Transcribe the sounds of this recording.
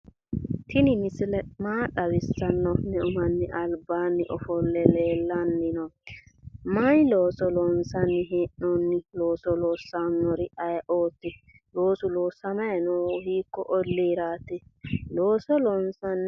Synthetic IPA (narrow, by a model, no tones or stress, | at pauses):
t̪ʰɪnɪmɪsɪlɛmaːɗɐwɪsːɐnːɔnɛʊmɐnːɪʔɐlbaːnːɪʔɔfɔlːɛleːlːɐnːɪnɔ | majloːsɔlɔnsɐnːɪɦeːʔnɔnːɪloːsɔloːsːanːɔɾɪɐjʔoːt̪ːɪ | loːsʊloːsːɐmɐjɐnoːʊhiːkːɔʔɔlːiːɾaːt̪ɪloːsɔlɔnsɐnː